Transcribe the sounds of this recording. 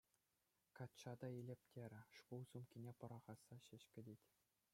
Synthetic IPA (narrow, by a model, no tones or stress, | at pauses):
kɑt̪t͡ɕɑd̪ɑelʲepʲtʲeɾʲɘ̆ʂkulˠsumkʲinʲepɤ̆ɾɑʁɑsːɑɕɘ̆ɕkʲɘ̆dʲetʲ